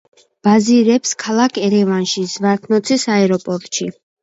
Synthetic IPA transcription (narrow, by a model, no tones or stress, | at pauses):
b̥aziɾɛpskʰalˠakʰɛɾɛvanʃizvaɾt̪ʰnɔt̪sʰisaɛɾɔpʼɔɾt̪ʼʃi